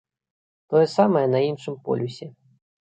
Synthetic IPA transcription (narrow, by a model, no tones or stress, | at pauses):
t̪ɔjɛsamɐjɛnɐinʂɨmpɔ̰lʲusʲɛ